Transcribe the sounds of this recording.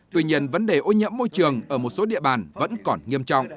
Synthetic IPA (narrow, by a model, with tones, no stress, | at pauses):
t̪wi˧ɲi˧ənvə˨˦nɗe˨˩ʔo˨˧˦ɲḭ˧˥əmːo˧jt͡ɕɨ˨˩əŋəː˧˩mo˨˩t̚so˨˦ɗḭ˧˨əɓaː˨˩nvə̰˧˥nkɔ˨˩nŋi˧əmt͡ɕɔ̰˧˨wŋ͡mʔ